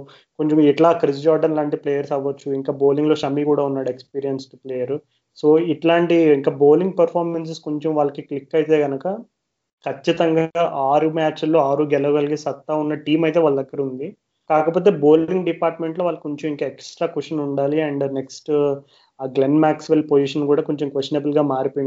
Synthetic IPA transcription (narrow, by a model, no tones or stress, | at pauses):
ko̞ɲt͡ʃɐmiʈlaːkɾis̬d͡ʒaːɾɖɐnlaːɳʈipleːjɐɾsɐʋːɐt͡ʃːuiŋkaːbo̞ːliŋɡlo̞ːʃɐmːiːkuːɽaːunːaːɽekspiːɾijɐnsʈupleːjɐɾ | so̞ːiʈlaːɳʈiiŋkaːbo̞ːliŋɡ̚pɐɾpʰaːɾmens̬esko̞ɲt͡ʃɐmʋaːɭːɐkiklikːɐjit̪e̞ːɡɐnɐkɐ | kʰɐt͡ʃːit̪ɐŋɡaaːʔaːɾumaːt͡ʃlːoːaːɾuɡɛlɐʋɐɡɐlɐɡisɐt̪ːaːunːɐʈiːmɐjt̪eʋaːɭːɐd̪ɐɡːɐɾɐund̪i | kaːkɐpo̞ːt̪eːbo̞ːliŋɡɖipaːɾʈme̞ɳʈlo̞ːʋaːlːɐkoɲt͡ʃɐmiŋkɐeksʈɾaːkuʂɐnuɳɖaːliɐɳɖneksʈː | ɡlenmaːksʋelpod͡ʒiʂɐnkuːɽaːkoɲt͡ʃɐmkʋesʈinebɐlɡaːmaːɾipoji